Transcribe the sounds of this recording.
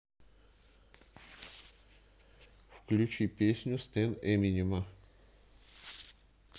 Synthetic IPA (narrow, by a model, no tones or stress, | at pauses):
fklʲʉt͡ɕipʲesʲnʲʊst̪ɛnɛmʲinʲɪmə